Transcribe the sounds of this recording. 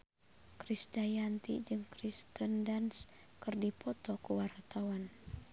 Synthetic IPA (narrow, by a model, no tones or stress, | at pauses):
kɾisdajant̪ḭd͡ʒɨŋkɾist̪əndans | kɨrdipɔt̪ɔkuwart̪awan